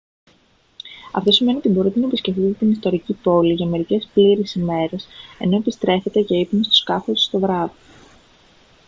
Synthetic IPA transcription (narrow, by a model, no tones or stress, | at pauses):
ɐ̰ft̪o̞sime̞nio̞t̪ibo̞ɾit̪enɐepisceft̪izt̪t̪inist̪o̞ɾicipo̞liʝɐme̞ɾice̞spliɾisime̞ɾe̞se̞̰no̞epist̪ɾe̞fe̞t̪e̞ceipunest̪u̥skɐfosu̥st̪o̞vɾɐvi